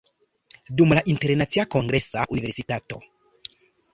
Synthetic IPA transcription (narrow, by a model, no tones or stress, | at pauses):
dumlaʔinte̞ɾnat͡siakoŋɡɾe̞saʔunive̞ɾsitato̞̰